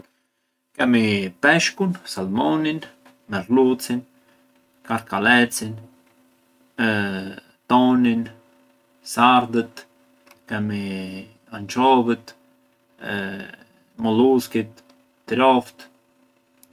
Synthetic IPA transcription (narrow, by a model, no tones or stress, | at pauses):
kɛmipɛʃkunsalmɔnin | mɛɾlut͡sin | kaɾkalɛt͡sin | t̪ɔnin | saɾd̪ət̪ | kɛmi | ant͡ʃɔvət̪ | mɔluskit̪ː | ɾɔft̪